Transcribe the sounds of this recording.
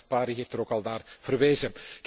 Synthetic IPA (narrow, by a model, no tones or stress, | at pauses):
paːɾiɦeːftəɾoːkɑlˠdaːrv̥ərʋeːzək